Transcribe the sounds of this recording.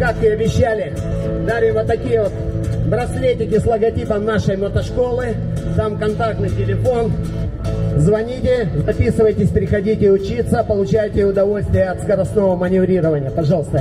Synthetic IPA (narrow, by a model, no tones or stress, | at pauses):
kakʋɨɐbʲɪɕːælʲɪ | d̪aʐɨvot̪ːɐkʲijəvot̪bɾɐsʲlʲejtʲɪkʲɪslˠəɡɐtʲipəmnaʂəjmət̪ɐʂko̞lˠɨ | d̪amkɐnt̪ak̚t̪nɨjtʲɪlʲɪfo̞n | zvɐnʲitʲɪzɐpʲisɨvəjtʲɪsʲpʲɾʲɪxɐdʲitʲɪʊt͡ɕit̪səpəlˠʊt͡ɕæjtʲɪʊd̪ɐvo̞lʲsʲt̪vʲɪjəɐt̪skɐɾɐst̪no̞vəmənʲɪvɾʲiɾəvənʲɪjəpɐʐɑlˠəst̪ə